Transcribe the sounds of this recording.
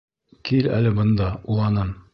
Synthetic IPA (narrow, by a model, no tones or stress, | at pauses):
kilæ̰lɘbɤ̆nd̪ɑulˠɑnɤm